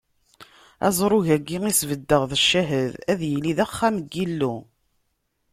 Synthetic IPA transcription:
æ̰zˤɾˤʊʝæɡːiŋisvəd̪ːəʁðəʃːæɦəðæðjəliðæχːæmɡːilːu

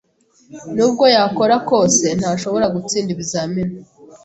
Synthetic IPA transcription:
nuːb̚ɡo̞jako̞ɾako̞ːse̞n̥haːʃo̞βo̞ɾaɡut͡siːndiβizaːmina

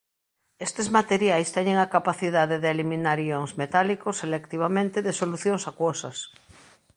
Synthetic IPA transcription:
est̪ezmat̪eɾjajst̪eɲeŋakapaθiðaðeðeːlimĩnaɾijoŋzmet̪alikoselek̚t̪iβ̞amẽnt̪eðesoluθjoŋsakwosas

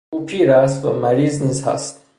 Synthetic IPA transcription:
uʈʰiɾaːstomɐɾiːznĩzha̰st̪

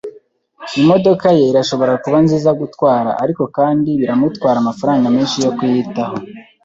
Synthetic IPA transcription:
imo̞do̞kaje̞iɾaʃo̞βo̞ɾakuβanziːzaɡutwaːɾa̰ʔaɾiko̞kaːndiβiɾamutwaːɾamafaɾaːŋɡamiːnʃijo̞kujitaho̞

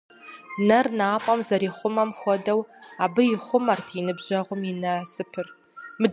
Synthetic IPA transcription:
nɐrnaːpʼɐmzɐɾiːχʷʊmɐmxʷɔdɐwaːbɨjɪχʷʊmartʰinɨbʑɐʁʷʊmɪnɐsɨpʰɨr | mɨ

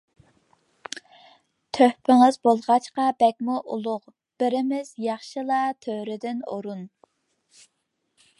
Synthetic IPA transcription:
t̪ʰøhpɪŋɪzbolˠʁɑt͡ʃqɑbɛk̚ʲmuʔṵlˠʊq | b̥ɪɾɪmɪz̥jɑχʃɨlˠɑt̪ʰøhɾɪd̪ɪno̰ɾun

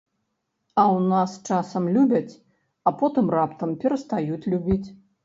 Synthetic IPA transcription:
ɐwnast͡ʂasɐmlʲubʲɐt͡sʲ | ɐpɔt̪ɨmrapt̪ɐmpʲɛɾɐst̪ajut͡sʲlʲubʲit͡sʲ

